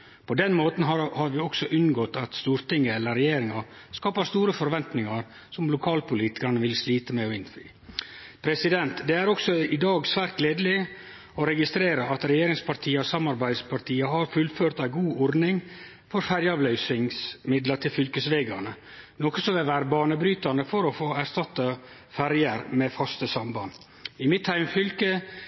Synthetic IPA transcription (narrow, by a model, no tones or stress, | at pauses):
pʰɔd̪ɛnmoːt̪n̩ɦɑhɑɾʋɪɔksɔʔʉnɡɔt̪ɑt̪st̪uːɾt̪ɪŋːəɛlːəɾɛjeːɾɪŋɑ | skɑːpəst̪uːɾəfɔɾʋɛnt̪nɪŋɑɾ | sɔmlʊkʰɑːlpʊliːt̪ɪ̥kɑɾnəʋɪlsliːt̪əmɛɔɪnfyː | pʰɾɛsɪd̪ɛnt̪d̪ɛæɾɔksɔɪd̪ɑːɡsʋæːɾt̪̚ɡleːd̪lɪ | ɔɾɛɡɪst̪ɾeːɾəɑt̪ɾɛjeːɾɪŋspɑɾt̪ʰiːəɔsɑmːɑɾbæɪd̪spʰɑɾt̪ʰiːəɦɑɾfʉlføːɾt̪æɪɡuːʔɔɾnɪŋ | fɔɾfæɾjɑːʋlœʏsɪŋsmɪd̪lət̪ʰɪlfʏlkəsʋeːɡɑnə | nɔkəsɔmʋɛʋæːɾbɑːnəbɾyːt̪ɑnəfɔɾɔfoːæɾst̪ɑt̪ːə | fæɾjəɾmɛfɑst̪əsɑmbɑn | ɪmɪt̪ʰhæɪmfʏlkə